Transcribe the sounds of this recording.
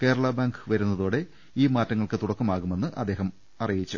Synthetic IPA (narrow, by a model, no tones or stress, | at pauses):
keːɾɐɭɐbaːŋɡɨʋɐɾunːɐðoːɽe̞ | iːmaːtːɐŋːɐɭkɨt̪uɽɐkːɐmaːɣume̞nːɨʔɐ̰d̪ːe̞ːɦɐm | ɐrijit͡ɕːu